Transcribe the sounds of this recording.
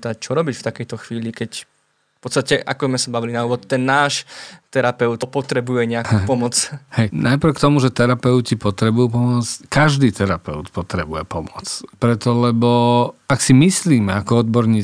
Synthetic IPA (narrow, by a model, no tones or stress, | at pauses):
t̪ac̚t͡ʃɔɾɔbicft̪akɛjt̪ɔxʋiːlikɛc | fpɔt̪st̪acɛʔa̰kɔzmɛsabaʋilinauːʋɔt̪t̪ːɛnːaːʃt̪ɛɾapɛʊt̪pɔt̪ɾɛbujɛɲɛapɔmɔt͡shɛjnʔajpɾ̩kt̪ɔmuʒɛt̪ɛɾapɛʊcipɔt̪ɾɛbujuːpɔmɔt͡skaʒd̪iːt̪ɛɾapɛʊt̪pɔt̪ɾɛbujɛpɔmɔt͡spɾɛt̪ɔlɛbɔaksimisliːmɛakɔɔd̪̚bɔɾɲiː